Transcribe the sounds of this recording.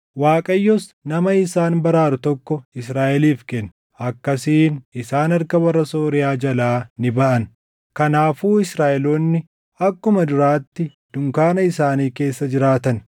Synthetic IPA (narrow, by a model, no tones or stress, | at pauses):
waːkʼɐjːɔsnɐmɐɪsaːnbɐɾaːɾʊt̪ɔkːɔɪsɾaːʔɛliːfkɛnː | ɐkːɐsiːnɪsaːnɐɾkɐbɐrːɐso̞ːɾɪjaːd͡ʒɐlaːnɪbɐʔɐn | kɐnaːfuːɪsɾaːʔɛloːnːɪ | ɐkːʊmɐd̪ʊɾaːt̪ːɪ | d̪̥ʊŋkaːnɐɪsaːniːke̞ːsːɐd͡ʒɪɾaːt̪ɐn